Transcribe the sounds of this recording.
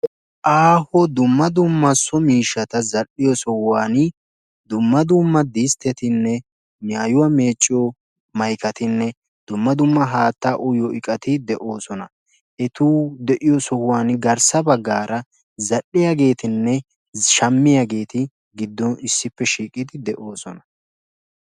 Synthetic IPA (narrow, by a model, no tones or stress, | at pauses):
ʔaːhɔd̪ʊmːɐd̪ʊmːɐsɔmiːʃːɐt̪ɐzɐʔːɪjɔsɔhʊwaːn | d̪ʊmːɐd̪ʊmːɐd̪iːst̪ɛt̪ɪnːɛ | maːjʊwame̞ːt͡ʃʼːɪɔ | mɐjkɐt̪ɪnːɛ | d̪̥ʊmːɐd̪ʊmːɐɦaːt̪ːaʔʊjɔɪkʼɐt̪ɪd̪ɛʔo̞ːsɔnɐ | ʔɛt̪uːd̪ɛʔɪjɔsɔhʊwaːnɡɐɾsɐbɐɡːaːɾʔɐ | zɐɗːɪjaɡe̞ːt̪ɪnːɛ | ʃɐmːɪjaɡe̞ːt̪ɪ | ɡɪd̪ːɔnɪsːɪpːɛʃiːkʼɪd̪ɪd̪ɛʔo̞ːsɔnɐ̥